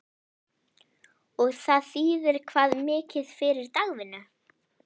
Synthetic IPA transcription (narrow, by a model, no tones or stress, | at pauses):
ɔɣθaðθiːðɪɾ̥kʰvaːðmɪːcɪð̥fɪɾɪɾt̪aɣvɪnːa